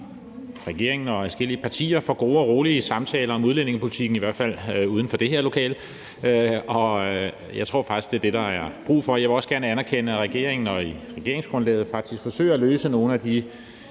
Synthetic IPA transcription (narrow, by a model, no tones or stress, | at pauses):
ʁɛɡ̥e̝ɐ̰e̝ŋn̩ɒ̽æsɡ̥el̰iəpʰɑ̈t͡sʰḭːɐfɒ̽ɡ̥o̝ːɒʁoːliəsɑ̈mt͡sʰɛːlɐɒ̽muðˠlen̰e̝ŋəpʰo̝lit͡sʰiɡ̥n̩iʋæɐ̰d̥fæl̰uːð̞ˠn̩fɒd̥e̝he̝ɐlo̝kʰɛ̰ːl | øɒ̽ | jɑ̈ɪt͡sʰʁo̰ɐ̰fɑ̈ɡ̥isɡ̥d̥e̝ɐd̥e̝ɾ̥ɑ̈æɐb̥ʁṵːfɒ̽jɑɪʋe̝ɒ̽səɡ̥æɐnəænæɐkʰenəæʁɛɡ̥e̝̰ɐeŋn̩ɒ̽iʁɛɡ̥e̝ɐeŋsɡ̥ʁɔ̽nlɛ̰ːð̩ˠfɑ̈ɡ̥̚d̥isɡ̥fɒ̽sø̰ːɐæløːsəno̝ːn̩æd̥i